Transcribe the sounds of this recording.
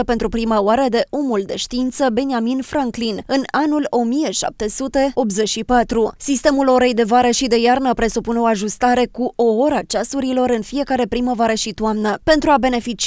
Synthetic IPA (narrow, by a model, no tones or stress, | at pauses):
əpe̞nt̪ɾupɾimaoaɾəd̪e̞ʔo̞muld̪e̞ʃt̪iint̪səbe̞niaminfɾaŋklinɨnanulo̞mije̞ʃa̰p̚t̪e̞sut̪e̞o̞p̪ze̞t͡ʃʃipat̪ɾusist̪emulo̞ɾe̞jd̪e̞vaɾəʃid̪e̞jarnəpɾe̞supuneo̞aʒust̪aɾe̞kuo̞o̞ɾat͡ʃasuɾilo̞ɾɨnfije̞kaɾe̞pɾiməvoaɾəʃit̪uamnəpe̞nt̪ɾuabe̞ne̞fit͡ʃ